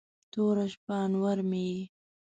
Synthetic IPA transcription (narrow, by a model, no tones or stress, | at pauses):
t̪oɾaʃpɑːnwaɾmeji